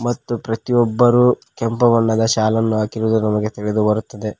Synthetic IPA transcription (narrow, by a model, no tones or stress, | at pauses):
mɐt̪ːupɾɐt̪ijɔbːɐɾu | kɛmpɐʋɐnːɐd̪ɐʃaːlɐnːuaːkiɾud̪unɐmɐɡe̞t̪iɭed̪ubɐɾut̪ːɐd̪e̞